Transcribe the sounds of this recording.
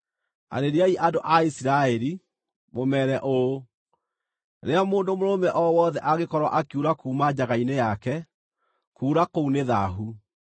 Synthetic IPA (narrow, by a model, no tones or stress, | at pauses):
a̰ɾeɾiaiʔadoʔaisiɾaɛɾi | momɛɾɛʔo | ɾeamoːndomoɾomɛʔɔwɔðɛʔaɣekɔɾwa̰ʔakiuɾakuːmad͡ʑaɣainejakɛ | kuːɾakouneða̰ɦu